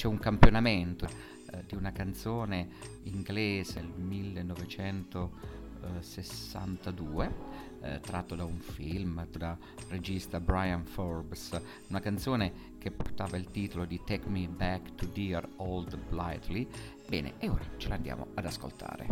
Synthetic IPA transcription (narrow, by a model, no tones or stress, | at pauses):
t͡ʃɛuŋkampjonament̪o | d̪iunakant̪soːne | iŋɡleːzelmilːenːɔvet͡ʃɛnt̪o | sesːa̰nt̪ad̪uːe | t̪ɾat̪ːod̪auɱfilmt̪od̪a | red͡ʒist̪abɾajanfɔrbs | unakant̪soːne | k̟eport̪aːvailt̪iːt̪olod̪it̪ɛkːmibɛkt̪ud̪irɔld̪bla̰jt̪li | bɛ̰ːnḛʔeoːɾat͡ʃeland̪ja̰ːmo̰ad̪asko̰lt̪ʰa̰ːɾḛ